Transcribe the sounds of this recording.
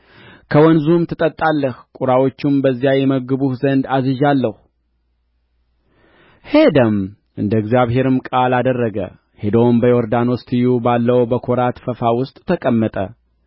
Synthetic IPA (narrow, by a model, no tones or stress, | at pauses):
kʰəwɔnzumt̪ʰɨt̪ʼət̪ʼːalːəhkʷʼuɾawo̞t͡ʃːumbəzːijajɛməɡɨbuhzənd̪azɨʒalːəhu | he̞d̪əm | ʔɨnd̪əɡzijaβɦe̞ɾɨmkʼalad̪ərːəɡə̰ | hed̪ombəjɛoɾd̪anɔst̪ʰɨjubalːəwbəkʰoɾat̪fəfawʊst̪ʼt̪ʰəkʼəmːət̪ʼə̰